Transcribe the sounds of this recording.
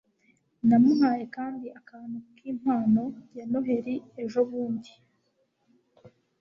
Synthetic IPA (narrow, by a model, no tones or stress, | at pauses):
namumaːje̞kaːndiakaːn̥hukʰiːm̥haːno̞jano̞ɦe̞ɾieʒo̞βuːndi